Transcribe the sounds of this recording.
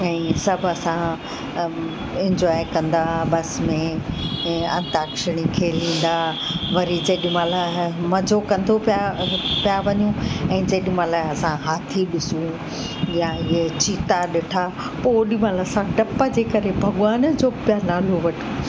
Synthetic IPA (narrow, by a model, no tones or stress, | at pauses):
ɛ̃ːsɐbʱɐsã | ɪ̃ɲd͡ʑɔːekɐ̃nd̪aɓɐsmẽ | ɐ̰̃nt̪aːkʃɪɽ̃ikʰeːlĩːn̆d̪aʋɐɾid͡ʑɐɗmãːlamɐd͡ʑʱokɐ̃nd̪opapijaʋɐɲũɛ̃ːd͡ʑɐɗmãːlaːɐsãɦaːt̪ʰiɗɪsũ | jaɪɦet͡ɕiːt̪aɗɪʈʰa | poːɗimãːlasãʈɐpad͡ʑeːkɐɾebʱɐɠʊaːnd͡ʑoːpɪjanaːloʋɐʈʰi̥